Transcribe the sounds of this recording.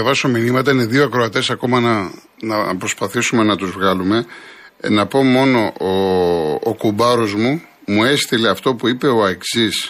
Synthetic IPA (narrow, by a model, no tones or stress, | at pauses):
ɐvɐso̞minimɐt̪̬ɐine̞ðioɐkɾo̞ɐt̪e̞sɐko̞mɐnɐ | nɐpɾo̞spɐθisume̞nɐt̪uzvɣɐlume̞ | nɐpo̞mo̞no̞o̰ː | kubɐɾo̞zmu | mue̞st̪ile̞ɐft̪o̞puipe̞o̞eksis